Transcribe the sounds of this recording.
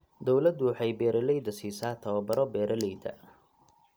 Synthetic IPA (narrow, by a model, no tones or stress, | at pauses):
d̪ɔwlɐd̪ʊwħɑjbɛːɾɐlɛjd̪ɐsiːsaːt̪ʰɐwɐbɐɾɔbɛːɾʔɐlɛjd̪ɐ̰